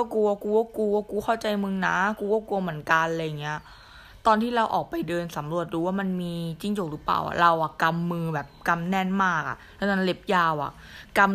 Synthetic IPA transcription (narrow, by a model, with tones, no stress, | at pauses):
a˥˩kuː˧kuː˧ka˥˩kuː˧a˧˩kuː˧kʰa˥˩wt͡ɕa˧jmɯ˧ŋna˦˥kuː˧kaː˥˩ku˧ɐmɯ˨˩˦ənka˧nlɤː˧ja˨˩ŋːi˦˥ɐ | t̪ɔː˧nt̪ʰiː˥˩ɾa˧wʔɔː˨˩k̚pa˧jdɤː˧nsa˩˦mɾu˨˩ət̪̚ɾuː˦waː˥˩ma˧nmiː˧t͡ɕi˧˥˩ŋt͡ɕo˨˩k̚ɾɯː˦˥pa̰ː˨˩wʔa̰˨˩ɾa˧wʔa˨˩ka˧mːɯː˧bɛː˨˩p̚ka˧mnɛ˥˩nmaː˥˩k̚ʔa̰˩lɛ˦˥na˦˥nle˦˥p̚jaː˧wʔa̰˨˩ʔ | ka˧m